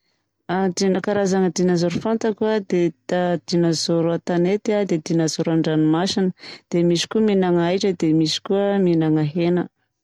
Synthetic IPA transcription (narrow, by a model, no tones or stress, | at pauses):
ad̪inəkaɾazaŋəd̪inazoɾufant̪akuəd̪ed̪ad̪̥inazoɾuat̪anet̪iad̪ed̪inazoɾaɳɖ͡ʐanimasinəd̪̥emisi̥kuəminaŋajʈ͡ʂəd̪emisi̥kuəminaŋaɦenə